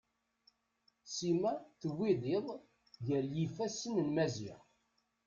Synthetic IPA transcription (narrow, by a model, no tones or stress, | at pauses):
simæθwːiðˤɪðˤ | ʝæljifæsənəlmæziʁ